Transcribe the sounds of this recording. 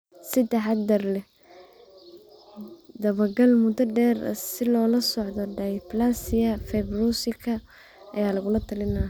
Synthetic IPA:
sɪd̪ɛħɑd̪d̪ɐrlɛ | d̪ɐβɐɡɐlmʊd̪ɐɖɛːr̰sɪlɔːlɐsɔʕd̪ɔɖɐjplasɪjɐfɛjbruːsɪkʰɐ | ʔɐjaːlɐɣʊlɐt̪ʰɐlɪna

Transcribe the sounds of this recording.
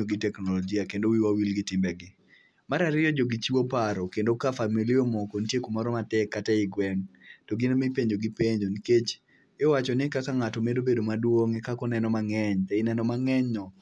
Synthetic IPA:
oɡɪtɛknɔlɔd͡ʒiakendowiwawilɡɪtɪmbɛɡɪ | maɾaɾɪjɔd͡ʒoɡit͡ʃiwopaɾɔkendokafamilɪomɔkontjekomɔɾɔmatɛkːatɛɪɡwɛŋtɔɡɪnmipeɲd͡ʒoɡɪpeɲd͡ʒoniket͡ʃ | ɪwat͡ʃɔnɪkakaŋatɔmedobedomadwoŋɛkakɔnɛnɔmaŋɛɲtɛɪnɛnɔmaŋɛɲɔ

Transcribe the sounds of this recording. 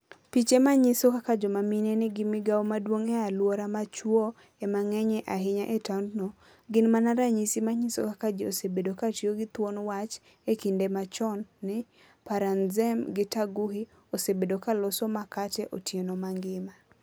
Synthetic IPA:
pit͡ʃemaɲɪsokakad͡ʒomaminɛnɪɡɪmɪɡawomadwoŋɛalwoɾamat͡ʃwo | ɛmaŋɛɲɛʔaɦɪɲaʔetandno | ɡɪnmanaɾaɲisimaɲɪso̰kakad͡ʒiosebedokatjoɡɪt̪wonwat͡ʃ | ekindemat͡ʃɔnːɪ | paɾanzɛmɡɪtaɡuhi | osebedokalʊsɔmakatɛʔotjenomaŋɡɪma

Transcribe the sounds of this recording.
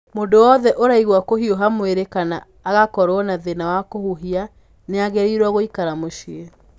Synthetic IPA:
mondowɔðɛʔoɾaiɣwakoɦioɦamweɾekanaː | ɣakɔɾwɔnaðenawakohuɦia | neaɣɛɾiɾwaɣoikaɾamoʃie

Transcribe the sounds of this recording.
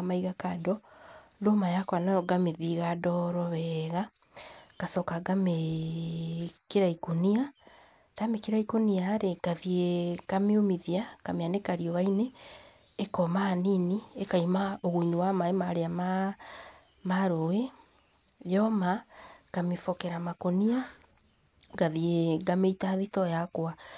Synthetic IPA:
maiɣakadɔdomajakɔanaɾɔɡameðiɣadɔɾɔβɛɣa | kasɔkaɡame | kiɾaikonia | ɾamekiɾaikoniaɾeɡaðiekameomiðiakameanekaɾiɔβaineː | kɔmaːniniekaimaoɣuiniwamaemaɾeama | maɾowe | jɔmakamifɔkɛɾamakonia | ɡaðieɡameitaðitɔjakwa

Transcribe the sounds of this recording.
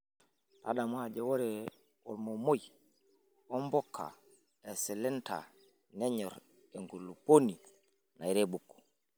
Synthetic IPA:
ta̰ɗamad͡ʒɛwɔɾɛ | ɔ̰lmɔmoj | ɔmbɔkʰːa̰ | ɛsɛlɛnta̰ | nɛɲɔɾ | ɛŋɡulːuponi | najɾɛbukːɔ̥

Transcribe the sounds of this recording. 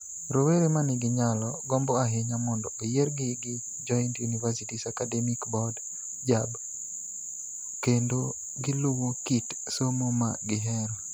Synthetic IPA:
ɾoweɾemanɪɡɪɲalɔɡɔmbɔaɦeɲamɔndɔojeɾɡɪɡɪ | d͡ʒɔintjunivasitisakadɛmikbɔd | d͡ʒab | kendo | ɡɪlowokit | somoma̰ɡɪɦɛɾɔ

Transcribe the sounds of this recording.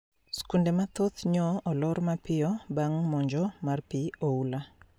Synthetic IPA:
skundemat̪ot̪ɲɔɔlɔɾmapɪɔbaŋmɔɲd͡ʒɔmarpioula

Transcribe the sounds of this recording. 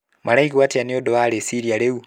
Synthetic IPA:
malaikiwatianiodoalesiɾjaleu

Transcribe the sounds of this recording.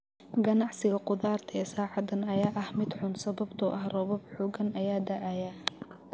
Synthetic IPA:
ɡɐnɑʕsɪɣɐqʊðaːrt̪ʰɐɛːsaːʕɑd̪ɐnɐjaːʔɐhmɪd̪ħʊnsɐβɐbt̪ʰʊʔɐhrɔβɔbħɔːɡɐnʔɐjaːd̪ɐʕaja

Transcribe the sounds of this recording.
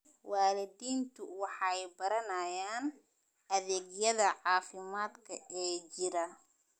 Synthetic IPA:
waːlɪdiːnt̪ʰʊwɑħɑjbɐɾɐnɐjaːn | ʔɐðɛːɡjɐðɐʕɑːfɪmaːd̪kʰɐʔɛːt͡ʃɪɾɐ

